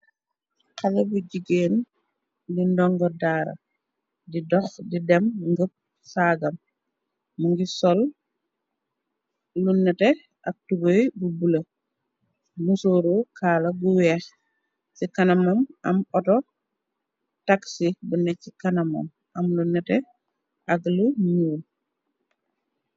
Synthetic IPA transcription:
kalɛbuɟiɡeːn | lindɔŋɡɔdaːɾɐ̰ | didɔxdidɛmŋɡəp̚ | saːɡɐmː | uŋɡisɔl | unːɛtɛ | ʔɐk̚tubojbubulɐ | musoːɾukʰaːlɐbuwɛx | sikɐnɐmɔmɐmɔtɔ | taksibunɛikanɐmɔ̰m | ɐmlunːɛtɛ | ʔɐklumuːl

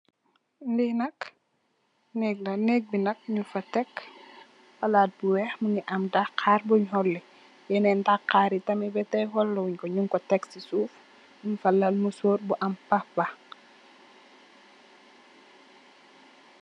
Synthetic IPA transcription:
ndinɐk | nɛɡ̚nanɛk̚binɐk̚ɲufatɛk | walaːt̚buwɛxmuŋiʔɐmdakʰaːɾbuɲɦɔlːɛ | jɛnɛndakaːɾitɐmibɛtɛhɔlːɔuɲkɔɲuŋkɔtɛksisuːf | mumfalalmusoːɾbuʔɐmpahba

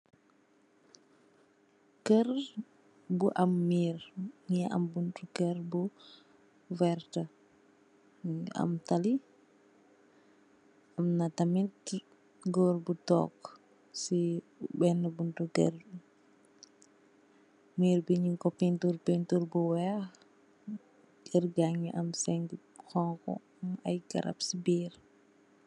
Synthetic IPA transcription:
kər | buʔɐmːiːɾɲiɐ̰mbuntuɡɛrbu | vɛɾtə | a̰mtali | ɐmnatamit | ɡɔɾbutɔ̰ːkː | si | bɛnːəbunduɡər | miːɾbiɲiŋkɔpintuɾpɛntuɾbuwɛx | ɡ̥ərɡaŋiʔɐmsɛŋɡ | xɔŋkɔ̰ | mɐjɡɐ̰ɾɐ̰psibiːɾ

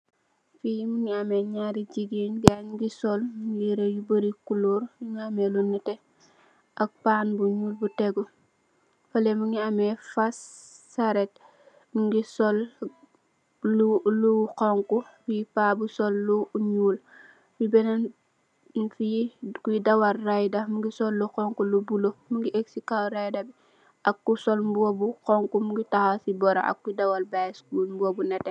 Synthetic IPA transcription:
fijimuŋiɐmɛɲaɾiɟiɡinɡanɡisɔlɡiɾejubəɾikuluːɾjiŋiamɛlunːətɛ | ʔɐk̚panbuɲuːlbutɛɡu | fɐlɛmuŋiamɛfas | aɾɛt̚ | ɡisɔl | uluqɔŋkufijipaːbusɔlːuɲuːl | bibɛnɐn | fijikudɐwalrajdɐmuŋɡisɔlːuxɔŋkulubulomuŋɡiʔeksikalɾajdɐbi | ʔɐkːusɔlmbobuqɔŋkumuŋɡitaxasibɔɾɐ̰ʔɐ̰kːuidɐwalbaskuːlmbobunɛtɛ

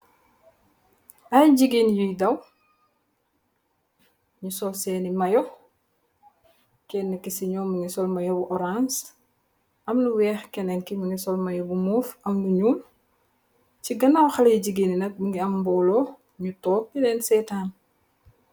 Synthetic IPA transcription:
ajɟiɡiːnjujdɐw | ɲusɔlsɛːnimɐjɔ | kɛnːikisiɲɔːmːuŋɡisɔlmɐjobuʔɔɾans | ʔɐmnuwɛːxkɛnɛnkimuŋɡisɔlmɐjobumuːfɐmnuɲuːm | ciɡɐnawxɐlɐjiɟiɡininɐk̚muŋɡiɐmbɔlɔ | ɲutɔːp̚ːinɛːnsɛtaːn

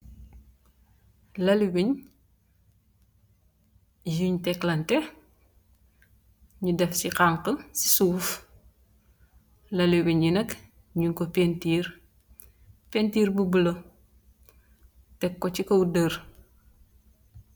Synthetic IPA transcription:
lɐliwiɲ | juɲtɛklɐntɛ | ɲudɛfsiqaŋqənsi̥suːf | lɐliwiɲjinɐk | ɲuŋkɔpentir | pɛntiːrbubələ | tɛkːɔt͡ʃikɐwdər

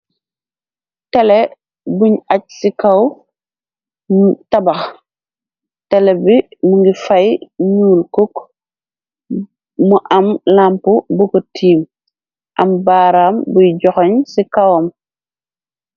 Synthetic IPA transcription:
tɛle | buɲac̚sikaw | mutɐbɐx | tɛlɛbimuŋɡifajɲuːlkuk | muʔɐmlampubukɔtʰiːm | ʔɐmbaːɾaːmbujɟɔxɔɲsikawɔm

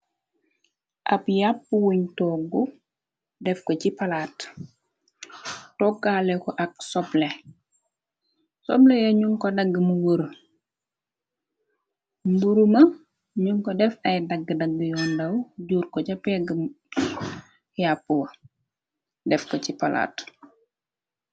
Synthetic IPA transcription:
ʔɐ̰pjapːuwuɲtɔɡu | dɛfkɔcipɐlat | tɔɡːalɛkɔʔɐksɔble | sɔblejɐɲuŋkɔdɐɡːəmuwəɾ | mbuɾumɐ | ɲuŋkɔdɛfɐjdɐɡːədɐɡːijɔːndɐwɟuːɾkɔɟɐpːjaɡəm | japːuwɐ | dɛfkɔcipɐla̰ːt

